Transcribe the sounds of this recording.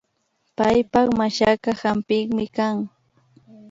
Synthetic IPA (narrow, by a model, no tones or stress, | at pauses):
pajpɑχmaʃakahampɪŋmɪkaŋ